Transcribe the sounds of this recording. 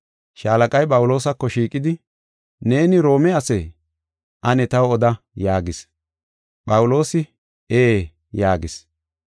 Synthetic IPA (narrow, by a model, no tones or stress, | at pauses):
ʃaːlɐkʼɐjpʼɐwʊlo̞ːsɐkːɔʃiːkʼɪd̪ɪ | ne̞ːnɪɾo̞ːmɛɐsɛj | ʔɐnɛt̪ɐwɔd̪ɐ | jaːɡɪs | pʼɐwʊlo̞ːsɪ | eː | jaːɡɪs